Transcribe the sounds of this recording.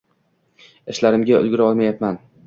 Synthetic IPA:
ɪʃlaɾɪmɡʲaʊ̰lɡʲɪɾaɒlˠmajapman

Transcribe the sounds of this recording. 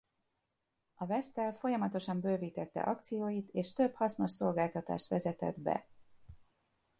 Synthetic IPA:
ɒvɛst̪ɛlfo̞jɒmɒt̪o̞ʃɒmbøːviːt̪ɛt̪ːɛ̰ʔɒk̚t̪sijoːjit̪eːʃt̪ø̞phɒsno̞ʃso̞lɡaːlt̪ɒt̪a̰ːʃt̪ʋɛzɛt̪ɛ̰d̪bɛ̰

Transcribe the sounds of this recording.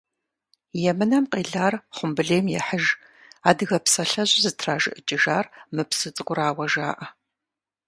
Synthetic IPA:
jɛmɨnɐmqʼeːɮaːrχʷʊmbɨɮeːmjɛ̰ħəʒ | aːdɨɣɐpsɐɬɐʑʼzɨtʰraːʒɨ̰ʔɨt͡ʃʼɪʒaːrmɨpsɨt͡sʼɨɡʷʊraːwɐʒa̰ːʔɐ

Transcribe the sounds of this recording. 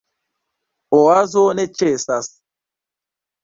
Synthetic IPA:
oazonɛt͡ʃesas

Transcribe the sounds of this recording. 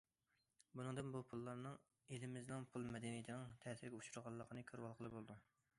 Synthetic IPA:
bunɨŋd̪ɨnbupʰulˠːɑɾnɨŋ | elɪmɪznɨŋpʰulˠmɛd̪ɛnijd̪ɨnɨŋt̪ʰɛːsɪɾɡʲɛuʃuɾʁɑlˠːəqʰənɨkʲʰøɾwɑlˠqʰəlˠɨbolˠɨd̪u

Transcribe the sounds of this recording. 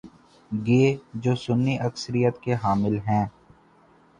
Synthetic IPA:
ɡeːd͡ʒoːsʊnːiʔɐksəɾijət̪keɦaːmɪlɦɛ̃ː

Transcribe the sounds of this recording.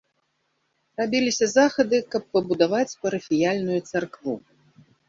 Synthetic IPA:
rabʲilʲisʲɐzaxɐd̪ɨkɐpːɐbud̪avat͡sʲpɐɾɐfʲijalʲnujut̪sarkvu

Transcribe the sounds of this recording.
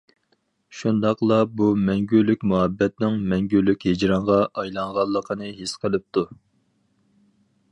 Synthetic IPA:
ʃund̪ɑqlˠɑbumɛŋɡʲylːykʲmuɦɛbːɛt̪nɪŋmɛŋɡʲylːykʲhed͡ʒɾɑŋʁɑʔɑjlˠɑŋʁɑlˠːəqʰənɨɦisqʰəlˠɨp̚t̪ʰu

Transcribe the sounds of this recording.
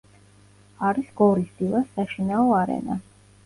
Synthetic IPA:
aɾisɡɔɾisd̪ilasːaʃinaɔaɾɛ̰na̰

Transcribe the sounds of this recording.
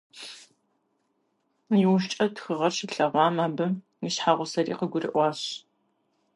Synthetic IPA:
jɪwʃ̬t͡ʃʼɐtxɨʁɐrʃɪɬɐʁʷɑːmaːbɨ | miɕħaːʁʷʊsɐɾḭːqəɡʷʊrɨ̰ʔʷɑːɕ

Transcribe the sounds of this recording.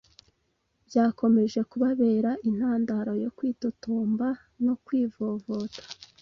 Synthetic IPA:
bɟaːko̞me̞ʒe̞kuβaβe̞ːɾaʔin̥haːndaɾo̞jo̞kwiːtotoːmba | no̞kwiːvo̞ːvo̞ːtḁ

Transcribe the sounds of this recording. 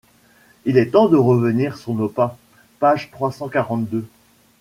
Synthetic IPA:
ilɛt̪ɑ̃d̪əʁəvəniʁsɔ̃nopa | paʒt̪χwasɑ̃kaʁɑ̃t̪̚d̪ø

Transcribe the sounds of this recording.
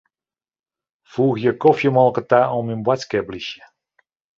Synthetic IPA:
fuːɣjəkɔfjəmɔlˠkətaːʔɔmynbwatskɛbliʃjə

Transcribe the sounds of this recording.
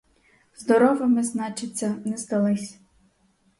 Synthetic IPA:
zd̪ɔɾɔʋɪmɪznɑt͡ʃɪt͡sʲːɐnɛst̪ɐlˠɪsʲ

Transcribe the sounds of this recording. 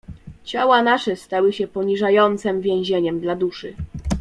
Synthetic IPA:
t͡ɕawanaʂɛst̪awɘɕɛpɔɲiʐajɔnt̪sɛmvʲjɛ̃w̃ʑeɲɛmd̪lad̪uʂɘ

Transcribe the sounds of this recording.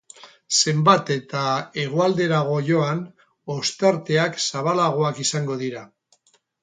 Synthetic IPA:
se̞mbat̪e̞t̪ae̞ɣ̞oald̪e̞ɾaɣ̞o̞ʝo̞an | o̞st̪aɾt̪e̞aksaβ̞alaɣ̞o̞akisaŋɡo̞ð̞iɾa

